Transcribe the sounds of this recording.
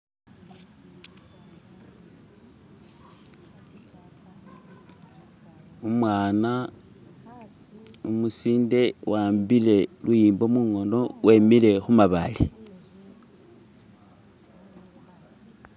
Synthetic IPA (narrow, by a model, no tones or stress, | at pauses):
umwaːna | umusiːnde̞wʔaːmbile̞lujiːmbo̞muŋo̞no̞wʔe̞mile̞xumaβali